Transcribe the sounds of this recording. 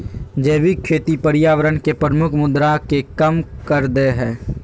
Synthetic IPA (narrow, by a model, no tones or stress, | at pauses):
d͡ʒeːʋikʰeːt̪ipəɾɪjaːʋəɾənkepɾəmʊkʰmʊd̪ɾakekəmkəɾd̪eɦɛ̃ː